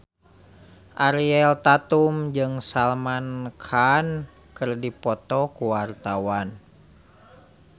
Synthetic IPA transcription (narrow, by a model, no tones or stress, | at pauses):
ʔaɾiɛlt̪at̪umd͡ʒɨŋsalmankʰan | kɨrdipɔt̪ɔkuwart̪awan